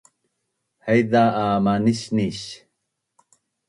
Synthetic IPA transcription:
hajd̪aːmaniɕniɕ

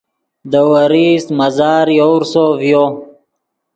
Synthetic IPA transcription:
d̪əwəɾismɐzɑːɾjowɾsovjo

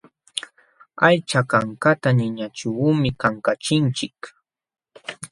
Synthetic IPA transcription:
ajt͡ʃakaŋkat̪anɪɲat͡ʃumɪkaŋkat͡ʃɪnt͡ʃɪk

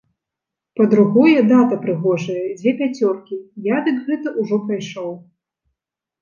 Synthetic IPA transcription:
pɐd̪ɾuɣɔjɛd̪at̪ɐpɾɨɣɔʐɐjɐd͡zʲvʲeɛpʲat͡sʲɔrkʲijad̪ɨkɣɛt̪ɐʔuʐɔpɾajʂɔw

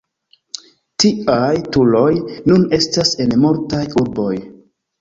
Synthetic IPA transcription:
tiajtulo̞jnune̞stase̞nmuɾtajuɾbo̞j

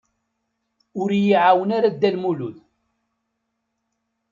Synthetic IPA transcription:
ʊɾjiʕawənaɾad̪ːælmuluð

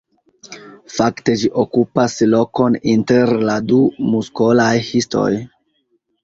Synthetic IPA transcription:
fakte̞d͡ʒiʔokupaslo̞ko̞ninte̞ɾladumuskolajhisto̞̰j

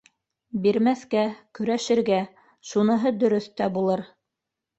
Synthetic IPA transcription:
biɾmæθkækɵ̆ɾæʃɘ̆ɾɡæ | ʃunɤ̆ɦɤd̪ɵ̆ɾɵθt̪æbulˠɤɾ

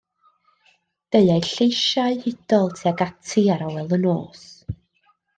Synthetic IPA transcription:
d̥eɨajɬejʃaɨhɪd̥ɔlˠtʰiaɡatʰɨaɾawɛlˠənoːs

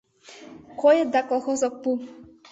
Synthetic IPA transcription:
kʰɔjɛd̪akɔxɔsɔk̚pu

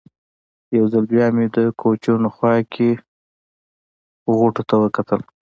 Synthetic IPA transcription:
jawzalbjɑmed̪əkʰot͡ʃonoxwɑkʰe | ɣoʈot̪awəkat̪əl

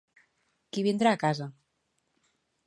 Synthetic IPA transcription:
kiβind̪ɾaːkaza

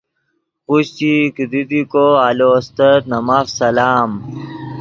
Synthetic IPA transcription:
kuɕt͡ɕikid̪id̪ikoaːloːst̪ɐɾnɐmaːfsɐlaːm

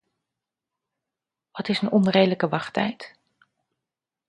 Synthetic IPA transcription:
ʋɑtɪsənɔnrejdələkəʋɑχtɛjt

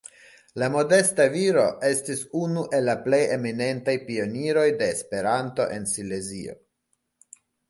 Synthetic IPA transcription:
lamo̞de̞staviɾo̞ʔe̞stisunuʔe̞lːaple̞je̞mine̞ntajpio̞niɾo̞jde̞ːspe̞ɾanto̞ʔe̞nsile̞zio̞̰

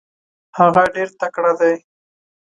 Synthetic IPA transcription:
haɣaɖeɾt̪akɽad̪aj

